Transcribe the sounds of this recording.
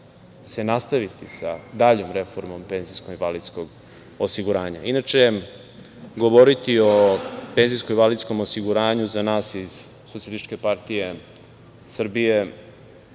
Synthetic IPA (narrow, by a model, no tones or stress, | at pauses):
se̞nast̪aʋit̪isa̰d̪aʎomɾe̞fo̞ɾmompe̞nziskomiʋalid̪skoɡ | osiɡuɾaːɲa̰inat͡ʃe | ɡoʋoɾit̪iope̞nzijskomiʋalid̪sko̞mosiɡuɾaːɲuzanaːsiz̥ | sot̪sjelist͡ʃkepaɾt̪ije̞ | sr̩bije̞